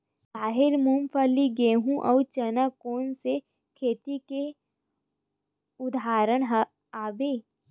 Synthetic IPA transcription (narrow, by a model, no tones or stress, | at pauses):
baːɦɪɾmumpʰəliɡeːɦũʔɐ̰wt͡ʃənakoːnse | kʰeːt̪ike | ʊd̪aːɾəɽ̃ɦ | aːbeː